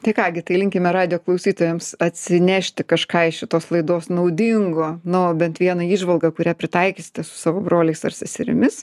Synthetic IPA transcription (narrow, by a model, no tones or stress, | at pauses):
t̪ɐɪkɑːɡʲɪt̪ɐɪlʲɪŋʲkʲɪmʲɛɾɑːd̪ʲɪjoːklˠɐʊsʲiːt̪oːjɛmsɐt̪ʲsʲɪnʲæːʃʲt̪ʲɪkɐʃkɑːɪʃʲɪt̪oːslˠɐɪd̪oːsnɐʊd̪ʲɪŋɡonʊbʲɛnt̪ʋʲiɛnɐiːʒʋɐlˠɡɐkʊɾʲæːpʲɾʲɪt̪ɐɪkʲisʲɪ̥t̪ʲɛsʊ̥sɑːʋoːbɾoːlʲɛɪsɐ̰rsʲɛsʲɪɾʲɪ̰mʲɪs